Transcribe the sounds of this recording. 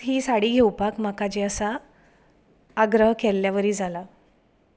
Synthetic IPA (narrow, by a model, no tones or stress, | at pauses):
ɦiːsaɽiːɡʱewpakm̤akad͡ʑeəsa | ɡɾəɦkɛlːjaʋəɾiːd͡zʱala